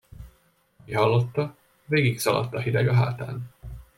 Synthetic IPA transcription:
kihɒlːo̞t̪ːɒ | veːɡiksɒlɒ̰t̪ːɒɦid̪ɛɡɒɦa̰ːt̪a̰ːn

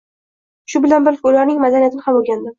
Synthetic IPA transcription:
ʃʊbɪlanbɪɾkʲʊlaɾnɪŋmad̪anijat̪ʰɪnɪhamoɡʲand̪ɪ

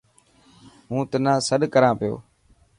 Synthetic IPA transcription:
ɦũːt̪ənãːsəɗkəɾãːpɪjo̰ː

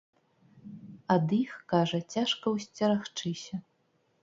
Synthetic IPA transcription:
ɐd̪ixkaʐɐt͡sʲaʂkɐwsʲt͡sʲɐɾaxt͡ʂɨsʲɐ

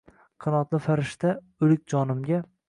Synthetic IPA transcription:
qʰɨnɒt̪lɪfaɾɪʃt̪a | ʊlɪk̚ʲd͡ʒɒnɪmɡʲa

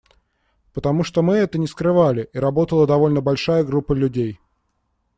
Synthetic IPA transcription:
pət̪ɐmuʂt̪omɨɛt̪ənʲɪskɾɨvalʲɪʔiɾɐbo̞t̪əlˠəd̪ɐvo̞lʲnəbɐlʲʂajəɡɾupːəlʲʉdʲej

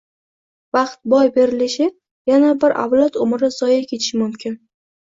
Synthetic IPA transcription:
vɑqt̪̚bɒjbe̞ɾɪlɪʃɪ | janabɪɾʔa̰vlat̪ʊmɾɪz̥ɒjakʲʰe̞t̪ʰɪ̥ʃɪmʊmkʲʰɪn

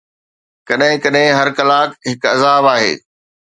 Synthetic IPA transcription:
kɐɗɦɪ̃kɐɗɦɪ̃ɦɐɾkɐlaːkɦɪkɐzaːbaːɦḛː

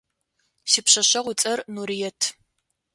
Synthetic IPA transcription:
sipɕɐɕɐʁʷʊt͡sʼɐrnuɾijɛtʰ

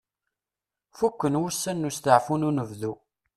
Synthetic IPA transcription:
fukʷːənwusːænːust̪əʕfununəvðu

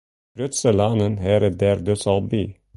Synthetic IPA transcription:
b̥ɾœt̪səlɑnənɦæːɾəd̪æːɾd̪ʉskɑlb̪ḭː

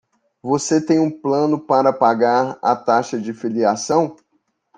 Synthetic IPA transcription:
voset̪ẽj̃ũplɐ̃nʊpaɾɐpaɡaɾɐ̰t̪aʃɐd͡ʒɪfiliasɐ̃w̃

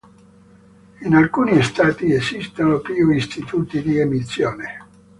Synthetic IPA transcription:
inalkuːnist̪aːt̪iesist̪onopiuist̪it̪uːt̪id̪iemisːjoːne

